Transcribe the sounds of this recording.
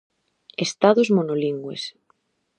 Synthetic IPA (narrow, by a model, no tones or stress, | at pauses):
est̪aðozmonoliŋɡwḛs